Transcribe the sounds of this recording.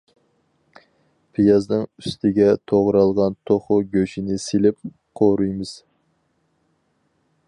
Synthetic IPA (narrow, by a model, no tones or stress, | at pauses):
pʰɪjɑznɨŋyst̪ʰɪɡʲɛt̪ʰoʁɾɑlˠʁɑnt̪ʰoχʊɡʲøʃinɪselɪp̚ | qʰoɾujmɨz̥